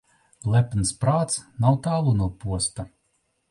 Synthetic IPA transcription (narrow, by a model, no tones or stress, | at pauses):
lˠɛpnspɾaːt̪snawt̪aːlˠunuɔpuɔst̪a